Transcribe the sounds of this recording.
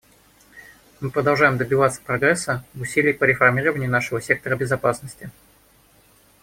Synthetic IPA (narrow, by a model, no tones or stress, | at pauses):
mɨpɾəd̪ɐlˠʐajɪmd̪əbʲɪvat̪sə̥pɾɐɡɾɛsːəvʊsʲilʲɪjpəɾʲɪfɐrmʲiɾəvənʲɪjʊnaʂɨvəsʲe̞k̚t̪əɾəbʲɪzɐpasnəsʲtʲɪ